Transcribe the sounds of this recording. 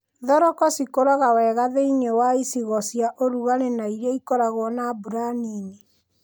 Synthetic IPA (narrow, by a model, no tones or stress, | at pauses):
ðɔɾɔkɔsikoɾɔɣawɛːɣaðeiɲewaisiɣɔsjaʔoɾuɣaɾenaiɾaikɔɾaɣɔnabuɾanine